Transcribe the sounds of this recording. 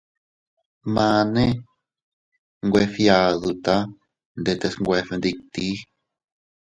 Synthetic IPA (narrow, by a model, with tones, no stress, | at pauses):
mã˧nẽ˦ | ŋɡʷe˧fja˧ðu˧t̪a˦ | nd̪e˧t̪e˧sŋɡʷe˧fe˧nd̪i˧k̚t̪i˦